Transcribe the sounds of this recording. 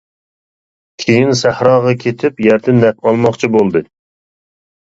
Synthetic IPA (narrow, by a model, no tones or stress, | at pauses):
kʲʰejinsæhɾɑːʁɑkʲʰet̪ʰɪpjæɾt̪ʰɪnːɛq̚ɑlˠmɑχt͡ʃʰibolˠd̪ɨ